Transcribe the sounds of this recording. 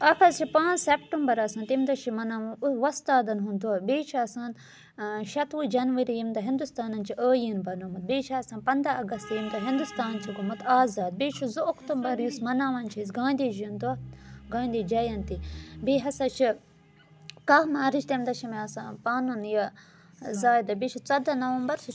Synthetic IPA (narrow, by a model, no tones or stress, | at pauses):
ɐpʰɐzt͡ʃʰipãːnzsepʈɐmbɐɾɐsãːnt̪imd̪ɐʃʰimɐnaːʋɐnuʋɐst̪aːd̪ɐnɦũnd̪uaːbeːt͡ʃʰiɐsaːn | ʃɐt̪ʋud͡ʒɐnʋɐɾijimd̪ɐɦĩnd̪ust̪aːnɐnt͡ʃʰiʔəːjinbɐnumɐt̪̚beːt͡ʃʰaɐsãːnpɐnd̪ɐɐɡɐst̪jimd̪ɐɦĩnd̪ust̪aːnt͡ʃʰiɡumɐt̪aːzaːd̪̚beːt͡ʃʰuzuːkt̪umbɐɾjusmɐnaːʋɐnt͡ʃʰis̬ɡãːnʲd̪id͡ʒund̪uaɡãːnd̪id͡ʒɐjɐnt̪ibeːɦɐsɐt͡ʃʰi | kɐɦmaːɾiʃt̪emd̪ɐʃimeɐsaːpaːnunjɐ | zaːjd̪ɐbeːt͡ʃʰut͡sɐd̪ɐnɐʋɐmbɐɾs